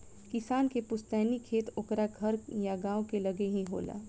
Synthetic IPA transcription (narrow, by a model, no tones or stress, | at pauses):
kɪsaːnkepʊst̪ɛːnikʰeːt̪ʊkɾaɡʱɐɾjaɡãːõkelɐɡeɦĩɦo̰ːla̰ː